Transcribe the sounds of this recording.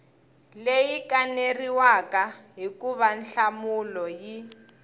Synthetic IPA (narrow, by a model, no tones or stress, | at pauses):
lejikaneriwakaɦikuβanɬamulɔji